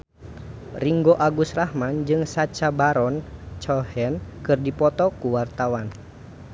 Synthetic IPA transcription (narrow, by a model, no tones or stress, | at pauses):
riŋɡoʔaɡusrahmand͡ʒɨŋsat͡ʃabaɾɔnt͡ʃɔhɛnkɨrdipɔt̪ɔkuwart̪awan